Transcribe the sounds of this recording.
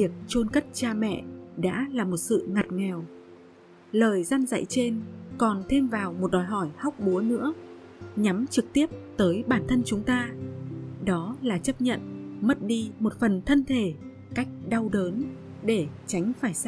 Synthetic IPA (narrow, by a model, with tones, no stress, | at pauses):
i˨˩ək̚t͡ɕo˧nkə˦˥t̚t͡ɕaː˧mɛ̰˧˨ɗa̰ː˧˥laː˨˩mo˨˩t̚sɨ̰˧˨ŋa˨˩t̚ŋɛ˨˩w | ləː˨˩jza˧nza̰˧˨jt͡ɕe˧nkɔ˨˩nt̪ʰe˧mvaː˨˩wmo˨˩t̚ɗɔ˨˩jɦɔ˧˩jhɔ˦˥wk͡p̚ɓu˨˦ənɨ̰˧˥ə | ɲa˨˦mt͡ɕɨ˨˩k̚t̪i˦˥əp̚t̪əː˨˦jɓaː˧˩nt̪ʰə˧nt͡ɕʊ˨˦ŋ͡mt̪aː˧ | ɗɔ˨˦laː˨˩t͡ɕə˦˥p̚ɲə̰˧˨nmə˦˥t̚ɗi˧mo˨˩t̚fə˨˩nt̪ʰə˧nt̪ʰe˧˩ | ka˦˥jk̟̚ɗa˧wɗəː˨˦n | ɗe˧˩t͡ɕa˨˦jŋ̟faː˧˩j